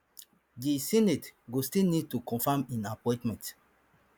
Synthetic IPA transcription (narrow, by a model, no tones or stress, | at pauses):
disinetɡostilnid̚tukɔ̃nfãmĩnapɔ̃j̃tmɛ̃nt